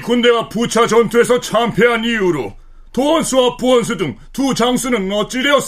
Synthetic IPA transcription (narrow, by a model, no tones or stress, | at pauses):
kunde̞ɡaput͡ɕʰad͡ʑʌntʰue̞sʰʌt͡ɕʰampʰe̞ɦaniuɾo̰ | toʌnsʰuap͈uʌnsʰudɯŋtut͡ɕaŋs͈ʰunɯnːʌt͡ɕ͈iɾeʌs͈